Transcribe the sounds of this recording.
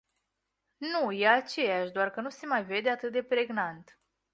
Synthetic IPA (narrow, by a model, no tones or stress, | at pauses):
nujeat͡ʃe̞jaʃd̪oarkənuse̞majve̞d̪e̞at̪ɨt̪̚d̪e̞pɾe̞ɡnant̪